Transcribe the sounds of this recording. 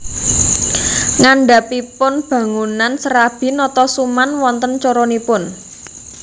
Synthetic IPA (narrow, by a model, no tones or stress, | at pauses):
ŋaɳɖa̤pipʊnb̥ä̤ŋunansəɾab̥i̤nɔt̪ɔsumanwɔnt̪ənt͡ʃɔɾɔnipʊn